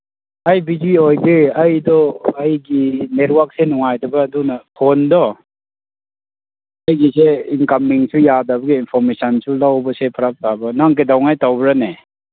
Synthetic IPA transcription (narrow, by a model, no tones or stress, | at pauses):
ajbid͡ʒiojbeɐjdɔːjɡinetwak̚senɔŋajtʰɐbɐːdunapʰondɔ | ɐjɡiseinkamiŋsujadabɐɡiːnpʰɔɾmesansulawbɐsepʰaɾak̚tabɐnaŋk̬edawŋajtawbɾane